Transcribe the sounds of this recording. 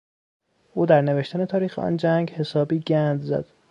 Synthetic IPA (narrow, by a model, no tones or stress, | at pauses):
ʔuːd̪æɾneveʃt̪æne̞t̪ʰɒːɾiːxeʔɒ̰nd͡ʒæŋɡhe̞sɒːbiːɟænd̪zæ̰d̪̥